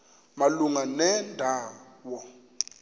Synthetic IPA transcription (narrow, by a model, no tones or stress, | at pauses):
maluŋanɛndʱaːwɔ